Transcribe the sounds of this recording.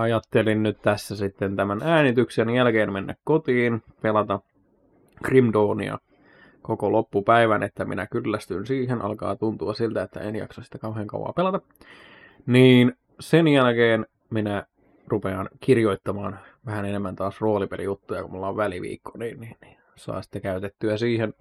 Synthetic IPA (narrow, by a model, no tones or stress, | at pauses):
ɑjɑt̪ːelinnyt̪t̪æsːæsit̪ːent̪æmænæːnit̪yksenjælkeːnmenːæ̰kkot̪iːn | pelɑt̪ɑ | krimdoːnḭɑ̰ | kokolopːupæiʋænet̪ːæmḭnækylːæst̪ynsiːɦenʔɑ̰lkɑ̰ːt̪unt̪uɑsilt̪æet̪ːæ̰enjɑ̰ksɑsi̥t̪ækɑuɦeːŋkɑ̰ṵwˑɑ̰ːpelɑt̪ɑ | niːn | senjælkeːn | minæ | rupeɑnkirjoit̪ːɑmɑːn | ʋæhænenemːænt̪ɑːsroːlipelḭjut̪ːujɑ̰kumulːɑoʋʋæliʋḭːkʰːoniːnniːnni̥ | sɑ̰ːsi̥t̪ːekæyt̪et̪ːyæsiːhen